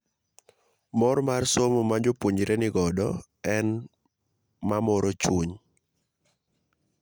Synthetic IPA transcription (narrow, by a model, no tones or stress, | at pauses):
mɔɾmarsomɔmad͡ʒopwoɲiɾɛnɪɡɔdɔ | ɛn | mamɔɾɔt͡ʃuɲ